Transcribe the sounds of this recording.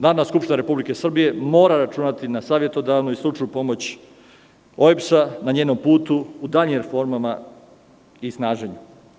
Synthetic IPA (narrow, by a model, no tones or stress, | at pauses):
naɾodnaskupʃt̪inaɾe̞publike̞sr̩bije̞mo̞ːɾaɾat͡ʃunat̪inasaːʋje̞t̪o̞d̪aʋnoislˠuʈ͡ʂajupo̞mo̞t͡ɕ | o̞epsanaɲeːno̞mpuːt̪uːd̪aʎimɾefo̞ɾmama | isnaːʒeɲu